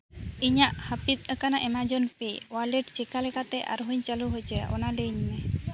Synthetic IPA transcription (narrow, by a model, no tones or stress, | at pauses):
iɲaʔhəpit̪̚ˀəkanaʔɛmad͡ʒɔnpiwalɛʈt͡ʃɛkalɛkat̪ɛʔa̰ɾɦuɲt͡ʃaluɦojt͡ʃɛɔ̰nalɛɲmɛ